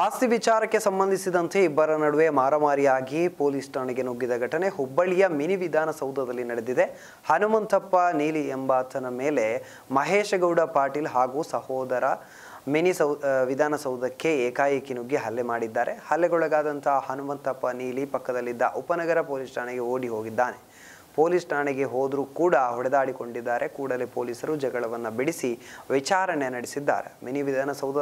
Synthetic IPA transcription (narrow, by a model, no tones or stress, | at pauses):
aːst̪iʋit͡ʃaːɾɐkːesɐmbɐnd̪ʱisid̪ɐnt̪ʰe̞ibːɐɾɐnɐɽuʋeːmaːɾɐmaːɾijaːɡipoːlisʈɐːɳiɡenuɡːid̪ɐɡʱɐʈɐne̞ɦubːɐɭijɐminiʋid̪ʱaːnɐsɐwd̪ɐd̪ɐlːinɐɽed̪id̪e | hɐnumɐnt̪ʰɐpːɐniːliembaːt̪ʰɐnɐmeːle | mɐɦeːʃɐɡɐwɽɐpaːɾʈiːlɦaːɡuːsɐhɔːd̪ɐɾɐ | minisɐʋid̪ʱaːnɐsɐwd̪ɐkːe̞eːkaːjɐkinuɡːiɦɐlːemaːɽid̪ːaːɾe̞hɐlːeɡɔɭɐɡaːd̪ɐnt̪ʰɐɦɐhɐnumɐnt̪ɐpːɐniːlipɐkːɐd̪ɐlːid̪ːɐ̰ʔupɐnɐɡɐɾɐpoːlisʈʰaːɳɛɡe̞oːɽiɦoːɡid̪ːaːne̞ | poːlisʈaːɳɛɡe̞ɦoːd̪ɾukuːɽɐɦɔɽɛd̪aːɽiko̞ɳɖid̪ːaːɾʔe̞kuːɽɐlepoːliːsɐɾud͡ʒɐɡɐɭɐʋɐnːubiɽisiʋit͡ʃaːɾɐɳenɐɽisid̪ːa̰ːɾḛmeniʋid̪ʱaːnɐsɐwd̪ɐ